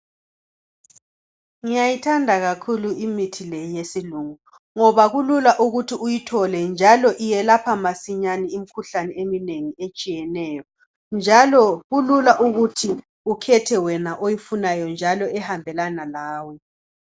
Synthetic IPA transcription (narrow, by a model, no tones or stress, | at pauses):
ŋijajitʰandʱaɣakʰuluimitʰilejijesiluŋu | ŋɔβaɣululaʔuɣutʰiujitʰɔlɛnd͡ʒʱalɔʔijɛlapʰamasiɲanɛim̩kʰuɬanɛemineŋiet͡ʃʼijɛnɛːjɔ | nd͡ʒʱalɔɣululaʔuɣutʰi | ukʰɛtʰɛwɛnaʔojifunajɔnd͡ʒʱalɔɛhambʱɛlanalaːwɛ